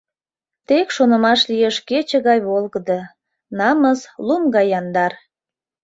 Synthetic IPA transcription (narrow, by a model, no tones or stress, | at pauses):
t̪ekʃonəmɑʃlijeʃket͡ɕəɣɑjβolɣəd̪ɤ | nɑməslumɡɑjɑnd̪ɑr